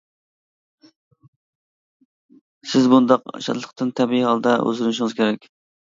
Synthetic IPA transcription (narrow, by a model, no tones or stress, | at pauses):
sɪzbund̪ɑqʃɑ̰t̪lˠə̥qt̪ɨnt̪ʰɛbiihɑlˠd̪ɛʔø̰zɾnʃiŋɨz̥kʲʰeɾɛk̚ʲ